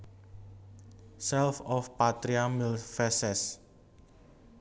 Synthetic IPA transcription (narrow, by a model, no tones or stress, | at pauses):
sɛlfɔfpat̪ɾiamilfɛsɛs